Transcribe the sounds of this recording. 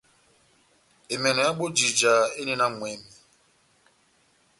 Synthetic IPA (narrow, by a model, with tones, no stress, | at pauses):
e˨me˨nɔ˨ja˦ɡ͡bo˦d͡ʒi˨d͡ʒa˨e˦ne˦na˦˨mʷ˨e˨˦mi˨